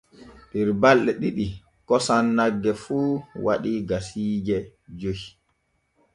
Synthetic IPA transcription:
ɗiɾbalɗɛɗiɗi | kɔsanːaɡːɛfuːwa̰ɗiɡasiːd͡ʒɛd͡ʒohi

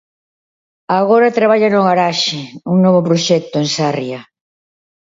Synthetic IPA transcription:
aɣoɾat̪ɾaβaʎanʊɣaɾaʃɪuŋnɔβopɾoʃɛk̚t̪ʊeŋsarja

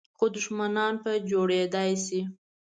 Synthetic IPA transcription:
xod̪ʊʃmanɑnpəd͡ʒoɽed̪ajsi

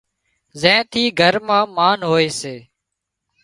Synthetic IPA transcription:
zɛ̃ːt̪ʰiːɡʱəɾmãːmaːnɦoːeːseː

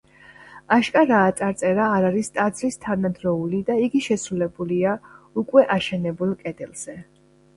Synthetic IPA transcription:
aʃkʼaɾaːt̪sʼaɾt̪sʼɛɾaːɾaɾist̪ʼad̪zɾist̪ʰanad̪ɾɔulid̪aiɡiʃɛsɾulɛbuliaukʼwɛʔaʃɛnɛbulˠkʼɛd̪ɛlˠz̥ɛ

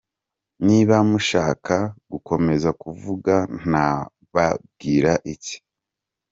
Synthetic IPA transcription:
niβamuʃaːkʰaɡ̥uko̞me̞zakuvuɡan̥a | βab̚ɡiːɾaʔici̥

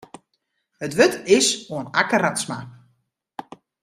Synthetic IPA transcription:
ətʋøtɪsoənakəratsma

